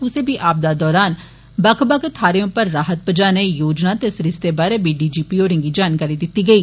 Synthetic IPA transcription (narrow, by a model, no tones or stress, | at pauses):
ʊsẽːbiːʔaːp̚d̪aːd̪ɔːɾaːn | bəkʰbəkʰt̪ʰaːɾeõpəɾːaːɦət̪̚pəd͡ʒaːnejoːd͡ʒnaːt̪esɾɪst̪eːbaːɾeːbiːɖiːd͡ʒiːpiːoːɾɪ̃ŋɡiːd͡ʒaːnkaːɾiːd̪ɪt̪ːiːɡəiː